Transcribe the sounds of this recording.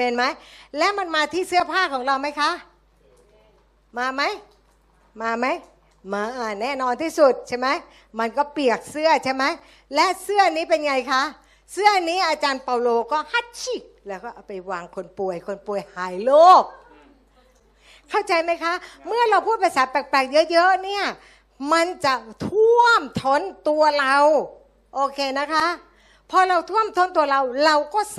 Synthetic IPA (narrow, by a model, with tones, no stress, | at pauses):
me˧nma˦˥jlɛː˦˥ma˧nmaː˧t̪ʰiː˥˩sɯ˥˩ɐpʰaː˥˩kʰɔː˩˦ŋɾa˧wma˦˥jkʰa˦˥ʔ | maː˧ma˦˥j | maː˧ma˦˥j | maː˧ʔa˧˩nɛː˥˩nɔː˧nt̪ʰiː˥˩su˨˩t̪̚t͡ɕʰa˦˥˩jma˦˥j | ma˧nkɔː˥˩pli˨˩ək̚sɯ˥˩ɐt͡ɕʰa˦˥˩jma˦˥j | lɛ˦˥ʔsɯ˥˩ɐniː˦˥pe˧nŋa˧jkʰa˦˥ʔ | sɯ˥˩ɐniː˦˥ʔaː˧t͡ɕaː˧npaː˧wloː˧kɔː˥˩ha˧˥˩t̪̚t͡ɕʰi˧˩lɛː˦˥wkɔː˥˩ʔa˨˧˩pa˧jwaː˧ŋkʰo˧npu˧əjkʰo˧npu˧˩əjhaː˩˦jloː˥˩k̚ | kʰːa˥˩wt͡ɕa˧jma˦˥jkʰa˦˥ʔmɯ˥˩ɐɾa˧wpʰuː˥˩t̪̚pʰa˧saː˨˦pɛː˨˩k̚plɛː˨˩k̚jɤ˦˥ʔjɤ˦˥ʔni˥˩ɐ | ma˧nt͡ɕa˨˩t̪ʰu˥˩əmt̪ʰo˧˥˨nt̪u˧ɐɾa˧w | ʔoː˧kʰeː˧na˦˥kʰa˦˥ʔ | pʰɔː˧ɾa˧wt̪ʰu˥˩əmt̪ʰo˦˥nt̪u˧ɐɾa˧wɾa˧wkɔː˥˩s